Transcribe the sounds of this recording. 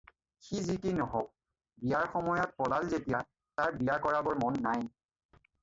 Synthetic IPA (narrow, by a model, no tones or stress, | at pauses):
xizitinɔɦɔk̚ | bijaɹxɔmɔjɔt̚pɔlalzetija | taɹbijakɔɹabɔɹmɔnːaj